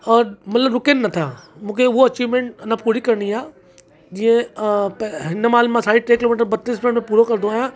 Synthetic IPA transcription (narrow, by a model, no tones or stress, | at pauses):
ɔːmɐt̪ləbɾʊkenːɐt̪ʰamũːkʰeʊɦoɐt͡ɕiːʋmẽɳʈɐnãpuːɽikɐɾɽ̃iaː | d͡ʑiːə̃pɦɪnəmaːlmãsaːiʈɾeːkɪloːmɪːʈ̬əɾbɐt̪ːɪspẽɳmẽpuːɾokɐɾnd̪oaːjã